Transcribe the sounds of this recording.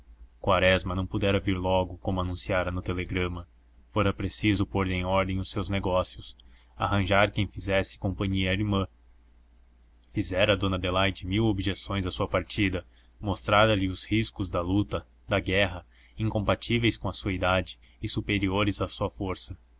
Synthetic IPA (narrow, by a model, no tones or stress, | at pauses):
kwaɾɛzmɐnɐ̃w̃pud̪ɛɾɐviɾlɔɡʊkõmʊanũsiaɾɐnʊt̪eleɡɾɐ̃mɐ | foɾɐpɾesizʊpoɾlẽj̃ɔɾd̪ẽj̃ʊsewzneɡɔsiʊs | a̰ɦɐ̃ʒaɾkẽj̃fizɛsɪ̥kõmpɐ̃ɲiɐɾimɐ̃ | fizɛɾɐːd̪õnɐd̪elajd͡ʒɪmiwobiʒesõj̃zɐsuɐpaɾt͡ʃid̪ɐ | most̪ɾaɾɐlɪʊshiskʊzd̪ɐlut̪ɐ | d̪ɐɡɛɦɐ | ĩŋkõmpat͡ʃivejskõɐsuɐid̪ad͡ʒɪ̥ | ɪsupeɾioɾɪzasuɐfoɾsɐ